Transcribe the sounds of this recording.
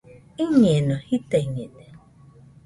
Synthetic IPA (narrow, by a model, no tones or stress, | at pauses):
iɲenɔhiteɲede